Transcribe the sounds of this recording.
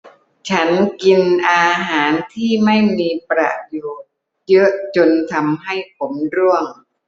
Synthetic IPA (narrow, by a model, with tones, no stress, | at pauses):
t͡ɕʰa˦˥nki˧nʔaː˧ɦaː˩˦nt̪ʰiː˥˩ma˥˩jmiː˧pɾa̰˨˩ʔjuː˨˩ | jɤ˦˥ʔt͡ɕo˧nt̪ʰa˧mɦa˥˩jpʰo˩˦mɾu˥˩əŋ